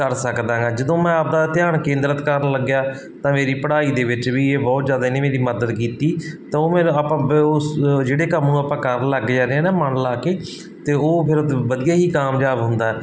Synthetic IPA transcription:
kəɾsəkd̪ãːɡaːd͡ʒəd̪õːmɛ̃ːaːp̚d̪aːt̪ɪjaːɳkẽːnd̪ɾət̪kəɾnləɡjaː | t̪ãːmeːɾiːpəɽaːiːd̪eːʋɪt͡ʃʋiːeːbɔːt̪zjaːd̪aineːmeːɾiːməd̪əd̪kiːt̪iːt̪ãːoːmeːñːapãː | d͡ʒeːɽeːkəmnũːaːpãːkəɾnləɡd͡ʒãːɾeãːnãːməɳlaːkeː | t̪eːoːpʰɪɾbəd̪ijaːɦiːkaːmd͡ʒaːbɦʊnd̪aːɛː

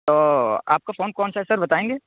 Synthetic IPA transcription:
t̪oːa̰ːp̚kafoːnkɔːnsaɦɛsɐɾbɐt̪aːẽːŋɡeː

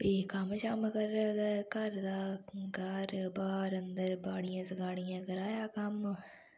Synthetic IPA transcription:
pikamt͡ʃamɐɡəɾkɐɾd̪aːɡaɾbaːɾənd̪əɾbaːɽijãːsɡaːɽijãːɡɐɾaːjaːkɐm

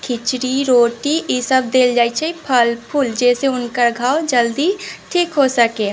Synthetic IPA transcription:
kʰɪt͡ʃɾiɾoːʈiisəb̚d̪eːld͡ʒaːit͡ʃʰɛipʰəlpʰʊld͡ʒɛːseʊnkəɾɡʱaːwd͡ʒəld̪iʈʰiːkɦosəke

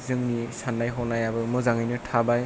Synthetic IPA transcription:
zɯŋnisanːajɦɔnajabɯmɯzaŋɯjnɯtʰabaj

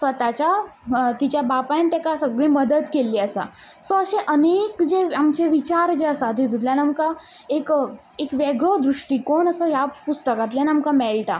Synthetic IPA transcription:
sʋət̪at͡ɕat̪it͡ɕjabapant̪jakasəɡɭĩməd̪əd̪keliːəsa̰sɔ̃əɕẽʔənekd͡ʑeamt͡ɕeʋit͡ɕaɾd͡ʑeəsad̪ʱid̪ud̪ljanamka | ek | ekʋeɡɭod̪ɾuʂʈiːkonəsɔjapust̪əkat̪lanamkamɛlʈa

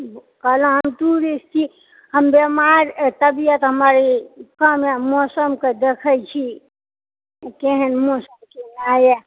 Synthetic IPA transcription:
kələ̃ɦəmt̪uɾist͡ʃʰi | həmbemaɾt̪əbijət̪ɦəmaɾikəmemɔsəmked̪ekʰəjt͡ʃʰi | keɦənmoːsəmkeaːje

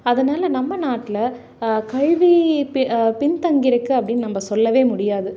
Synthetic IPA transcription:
ɐðɐnaːlɐnɐmːɐnaːʈːɪlɐ | kɐɻʋi | pɪnt̪ɐŋɡɪɾɐkːɯɐpːɐɽɪnːnɐmbɐsɔlːɐʋeːmʊɽɪjaːðɯ

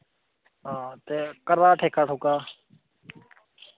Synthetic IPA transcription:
ɦãːt̪eːkəɾaːʈʰeːkʰaːʈʰʊkaː

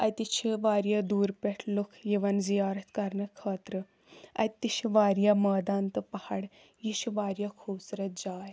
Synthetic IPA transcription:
ɐ̰jt̪it͡ʃʰiʋaːɾjad̪uːɾpeʈʰlukʰjiʋɐnzijaːɾɐt̪ʰkɐɾnəkʰəːt̪ɾə | ɐ̰jt̪iɕiʋaːɾjaməːd̪ant̪əpɐhaɽ | jiɕiʋaːɾjakʰusɾɐt̪̚d͡zaːj

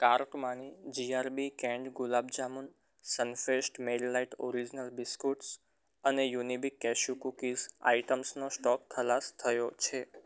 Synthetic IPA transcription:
kaɾkmanid͡ʒiaɾbikɛ̃ɳɖɡulab̚d͡ʒamun | sənfesʈmelːaiʈo̰ɾid͡ʒnəlbiskuʈs | ənejunibikːɛʃukukiza̰iʈəmsnosʈɔkkʰːəlast̪ʰəjot͡ʃʰe

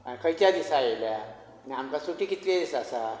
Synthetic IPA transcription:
akʰəjt̪jad̪isajelja | aniamkasuʈiːkit̪led̪isasa

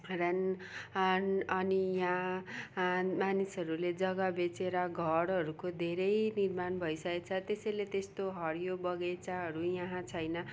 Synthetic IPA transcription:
rʌn | nʌnijʌɦã | manisʌɾuled͡zʌɡʌbet͡seɾʌɡʱʌɾɦʌɾukod̪ʱeɾʌjnirmanbʱʌisʌket͡sʰʌt̪esʌjlet̪est̪oɦʌɾjobʌɡet͡saɦʌɾujʌɦãt͡sʰʌjnʌ

